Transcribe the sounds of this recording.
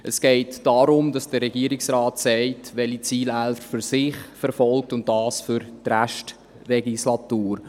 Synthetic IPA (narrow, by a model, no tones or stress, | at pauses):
ʔəsɡ̥ɛɪtd̥ɑɾʊmdɑsd̥əɾɛɡiəɾiksrɑːtsɛɪtʋɛlit͡siːlælfəfyɾsɪχfɛɾfɔlk̚tʊntdɑːsfʏɾtræʃt | rɛɡislɑtuːɾ